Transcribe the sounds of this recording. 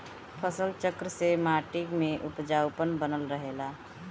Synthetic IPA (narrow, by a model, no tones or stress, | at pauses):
pʰəsəlt͡ʃəkɾəsemaːʈɪkmẽʔʊpd͡ʒaːwpənbənəlɾəɦeːlaː